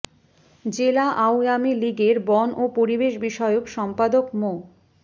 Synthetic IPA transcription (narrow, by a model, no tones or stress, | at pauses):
d͡ʑelaʔawamiliɡeɾbɔnʔopoɾibeʃbiʃɔeokʃɔmpad̪okmo